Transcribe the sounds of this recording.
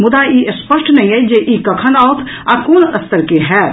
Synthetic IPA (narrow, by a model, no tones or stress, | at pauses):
mʊd̪aʔiːʔəspəʃʈnɐɦĩɦɛd͡ʒeʔiːkɐkʰənaːot̪ʰ | akoːnɐst̪əɾkeɦɛː